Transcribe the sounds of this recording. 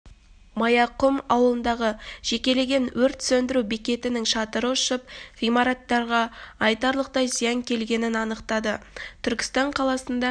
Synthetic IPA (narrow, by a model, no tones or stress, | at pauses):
mɑjɑqʊmɑwəlˠənd̪ɑʁəʒ̥e̞kʲe̞le̞ɡʲe̞nwɵɾt̪sɵnd̪ɪɾubikʲe̞t̪ɪnɪŋʃɑt̪əɾəʊʃəp̚ʁijmɑɾɑt̪ːɑɾʁɑɑjt̪ɑɾlˠəq̚t̪ɑjzijɑŋkʲʰe̞lɡʲe̞nɪnɑnəqt̪ɑd̪ət̪ʰʏɾkʲɪ̥st̪ɑɴqʰɑlˠɑsənd̪ɑ